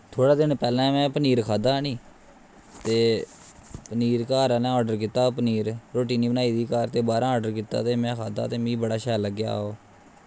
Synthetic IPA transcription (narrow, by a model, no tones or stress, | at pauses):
t̪ʰoːɽaːd̪ɪnpɛːlɛ̃ːmɛ̃ːpəniːɾkʰaːd̪aːnĩː | t̪eː | pəniːɾkaːɾãːnɛ̃ːɔːɖəɾk̬it̪aːpəniːɾɾoːʈiːniːbənaːiːd̪iːkaːɾt̪eːbaːɾãːɔːɖəɾkit̪a̰ːt̪eːmɛ̃ːkʰaːd̪a̰ːt̪eːmĩːbəɽaːʃɛːləɡja̰ːɦoː